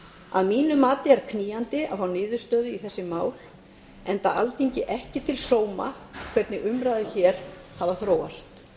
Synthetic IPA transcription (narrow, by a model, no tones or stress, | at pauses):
a̰ðmiːnʏmaːt̪ɪɛɾ̥kʰniːjant̪ɪa̰fawnɪːðʏ̥st̪œːðʏiθɛsːɪmaːwl | ɛnt̪aʔa̰lt̪ʰiɲcɪʔɛhcɪt̪ʰɪlsoːwma̰ | kʰvɛɾt̪nɪʔʏmɾaːjðɪçɛːɾ̥havaθɾoːwast̪